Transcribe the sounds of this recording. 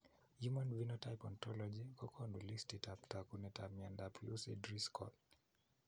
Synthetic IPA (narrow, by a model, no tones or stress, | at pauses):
humãnvinɔtajpɔntʰɔlɔd͡ʒikʰɔkʰɔnulistitʰaptʰakunɛtʰamiãndapʰjusɛ̰dɹiskʰɔ̰l